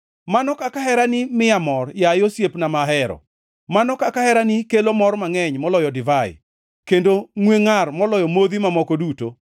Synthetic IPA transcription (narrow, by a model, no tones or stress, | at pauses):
manɔkakahɛɾanɪmɪjamɔrjajosjepnamaɦɛɾɔ̰ | manɔkakahɛɾanɪkelomɔrmaŋɛɲmɔlɔjɔdɪvaɪ̰ | kendoŋweŋarmɔlɔjɔmoðimamɔkɔduto